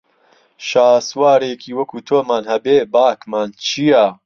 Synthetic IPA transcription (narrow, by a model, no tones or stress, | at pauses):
ʃaːswaːɾeːkʰiːwɐkʰuːt̪ʰoːmaːnhɐbeːbaːkmaːnt͡ʃʰijɐ